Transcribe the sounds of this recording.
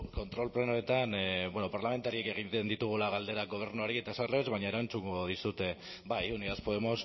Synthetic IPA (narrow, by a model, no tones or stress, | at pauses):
ko̞nt̪ɾo̞lple̞noet̪anbweno̞paɾlame̞nt̪aɾieke̞ɣ̞it̪end̪it̪uɣ̞ulaɣ̞ald̪e̞ɾaɡo̞β̞e̞ɾnuaɾie̞t̪asarleezβaɲae̞ɾant͡suŋɡo̞ð̞isut̪e̞ | bajuniaspoðe̞mo̞s